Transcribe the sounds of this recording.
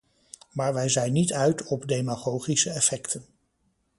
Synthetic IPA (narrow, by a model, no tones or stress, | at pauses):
maːɹʋɛjzɛjnːitœɥtɔbdejmaχowχisəɛfɛktʰən